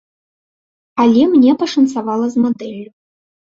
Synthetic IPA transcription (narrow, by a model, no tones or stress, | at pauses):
alʲemnʲepʰaʂɨnt͡sʰavalˠɐzmod̪ɛlʲːu